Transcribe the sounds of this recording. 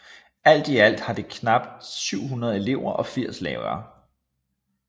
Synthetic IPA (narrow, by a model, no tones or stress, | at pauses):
æl̰d̥iæl̰d̥hɑ̈d̥e̝kʰnɑ̈b̥d̥syʊ̰ɦunɐð̩ˠe̝le̝ʊ̰ɐʔɒ̽fiɐ̰slɛ̰ːʊɐː